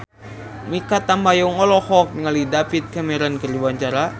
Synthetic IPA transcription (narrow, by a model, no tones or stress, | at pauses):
mikat̪ːambajɔŋɔlɔhɔk̚nəŋalidapit̪̚kamɛɾankərd͡ʒwaɲt͡ʃaɾa